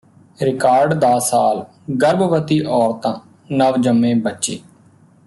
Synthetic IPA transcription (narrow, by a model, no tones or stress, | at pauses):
ɾɪkaːɾɖd̪aːsaːl | ɡəɾbʋət̪iːʔɔːɾt̪ãː | nəʋd͡ʒəmːẽːbətːt͡ʃḛː